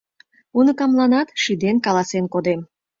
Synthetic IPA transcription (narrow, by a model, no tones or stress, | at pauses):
unɤkɑmlˠɑnɑt̪ʃid̪enkɑlˠɑsenkod̪em